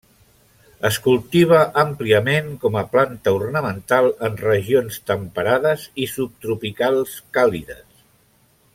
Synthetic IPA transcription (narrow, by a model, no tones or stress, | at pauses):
əskulˠt̪iβ̞əʔəmpliəmeŋkɔməplant̪əurnəmənt̪alˠənrəʒionst̪əmpəɾaðəzisup̚t̪ɾupikalˠskaliðə̰s